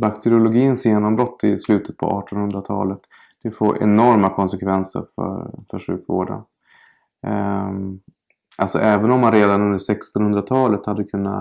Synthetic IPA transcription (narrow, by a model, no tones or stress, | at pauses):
bakt̪ʰɛɾɪʊlʊɡiːənsjeːnɔmbɾɔt̪ʰːɪslʉ̟ːt̪ət̪̚pʰɔ̰ʔɑ̰ːʈɔnhɵnd̪ɾat̪ʰɑ̰ːlət̪ | d̪̥ɛfo̰ːɾʔɛ̰nɔɾmakʰɔnsɛkʰvɛnsə̰ɾfœ̰ɾfœʂʉ̟̰ːkvo̰ːɖə̰n | ʔa̰ltsɔ̰ʔɛːvənɔmːanɾeːd̪anɵnd̪əʂɛkst̪ɔnhɵnd̪ɾat̪ʰɑːlət̪had̪ːəkʰɵnːa̰